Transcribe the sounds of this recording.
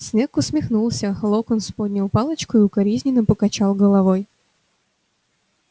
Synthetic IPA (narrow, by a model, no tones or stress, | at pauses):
sʲnɛkʊsʲmʲixnulˠsʲɐlˠɔkɔnspɔdʲnʲɐwpɑlˠɐt͡ʃkʊiukɐɾʲizʲnʲinɐpɔkɐt͡ʃɑwˠɣɔlˠɐʋɔj